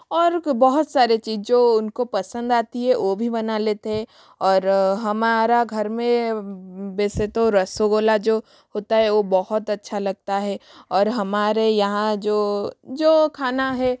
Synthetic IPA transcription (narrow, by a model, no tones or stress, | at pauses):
ɔːɾbɐɦʊt̪saːɾet͡ʃiːzd͡ʒoːʊnkopɐsə̃nd̪aːt̪iɦɛʋoːbʱibɐnaleːt̪eɦɛ̃ | ɔːɾɦɐmaːɾaɡʱɐɾmẽ | bɛːset̪oɾɐsoɡoːlad͡ʒoː | ɦoːt̪aɦɛʋobɔɦʊt̪ɐtːʃʰalɐɡ̚t̪aɦɛɔːɾɦɐmaːɾejɐɦãd͡ʒoːd͡ʒoːkʰaːnaɦɛ